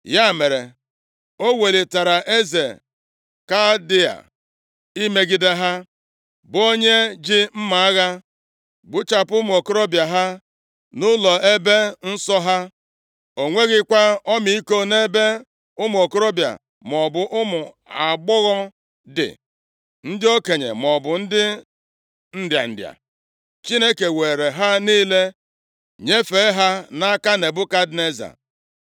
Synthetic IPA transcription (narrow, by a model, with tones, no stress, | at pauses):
ja˦˨me˨ɾe˨ | o˦we˨li˨ta˨ɾa˨ʔe˦ze˨ | ka˦dɪ˦a̰˨ | i˦me˨ɡi˨de˦ɦa˦ | bo˦ɲe˦d͡ʒɪ˦m̩˦ma˨a˦ɣa˦ | ɡ͡bʊ˦t͡ʃa˨pʊ˦mʊ˨o˨ko˦ɾo˦bja˨ɦa˦ | nʊ˦lɔ˨e˦be˦n̩˦sɔ˦ɦa˦ | o˨ŋʷe˦ɣɪ˦kʷa˦ɔ˦mi˦i˦ko˦ne˦be˦ | ʊ˦m˨o˨ko˦ɾo˦bja̰˨ | m˨ɔ˨bʊ˨ʔʊ˦mʊ˨ | a˨ɡ͡bɔ˦ɣɔ˦ | dɪ̰˨ | n̩˦dɪ˦o˦ke˨ɲḛ˨mɔ˨bʊ˨n̩˦dɪ˦ | n̩˦dja̰˨n̩˨dja̰˨ | t͡ʃi˦ne˦ke˨we˨ɾe˨ɦa˦niː˦le˦ | ɲe˦fe˨˦ɦa˦na˦ka˦ne˨bʊ˦ka˦dne˦za̰˨